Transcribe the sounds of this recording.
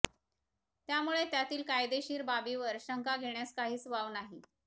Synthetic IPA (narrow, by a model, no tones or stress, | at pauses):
t̪jamuɭet̪jat̪iːlkajd̪eɕiːɾbabiʋəɾɕəŋkaɡʱeɳjaskaɦiːt͡sʋaʋnaɦi